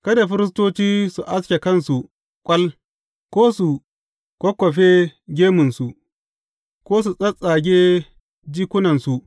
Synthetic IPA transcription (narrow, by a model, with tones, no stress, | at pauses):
kɐ˦da˨ɸɪ˦ɾɪ˦s̬toː˦t͡ʃiː˦su˨ʔa˦skʲe˨kɐ˦˨nsu˨ | kʷʼɐ˦l | kʷoː˦su˨ | kʷɔ˦kʷːɔ˨ɸe˦ɡʲeː˦mʊ˨nsu˨ʔ | kʷoː˦s̬u˨sʼɐ˦sʼaː˨ɡʲeː˦ | d͡ʒiː˦kʷʊ˦nɐ˨nsu˨ʔ